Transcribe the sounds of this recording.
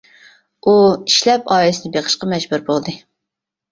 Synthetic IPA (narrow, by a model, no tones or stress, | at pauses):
uiʃlɛpɑːilɪsɪd̪ɪbeχə̥ʃqɑmɛd͡ʒbuɾbolˠd̪ɨ